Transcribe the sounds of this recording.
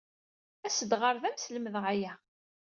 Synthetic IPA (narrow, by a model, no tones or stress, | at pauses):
æsəd̪ʁəɾðæmsləməðʁæjæ